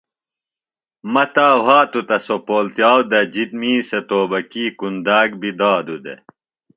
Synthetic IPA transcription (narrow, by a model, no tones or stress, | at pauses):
mɐt̪aːwaːt̪ut̪ɐsopoːlt̪jaːwd̪ɐd͡ʑit̪miːset̪oːbɐkiːkund̪aːɡbid̪aːd̪ud̪ḛ